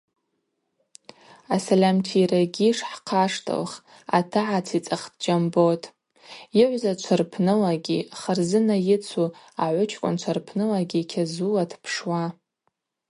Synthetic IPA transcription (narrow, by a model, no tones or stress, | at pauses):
asalʲamtʰiraɡʲiʂħqʰaʂtʰʼa̰lχ | a̰tʰɨʕat͡sʰit͡sʼaχt̚ʰʼd͡ʒambotʼ | jɪʕʷzat͡ʃʷʰarpʰnɨlaɡʲiχərzɨnajɪt͡sʷʰuaʕʷʊt͡ʃʰkʷʼʊ̰nt͡ʃʷʰarpʰnɨlaɡʲikʲʰazulatʰpʰʂwa